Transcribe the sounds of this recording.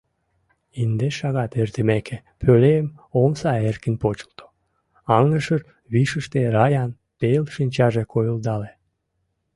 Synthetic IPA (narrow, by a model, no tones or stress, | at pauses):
ind̪eʃɑɣɑt̪ert̪əmekʰe | pʰøleəm | omsɑerkənpot͡ɕə̥lt̪o̥ | ɑŋəʃər | βiʃəʃt̪eɾɑjɑn | pelʃinʲt͡ɕɑʒekʰojuld̪ɑle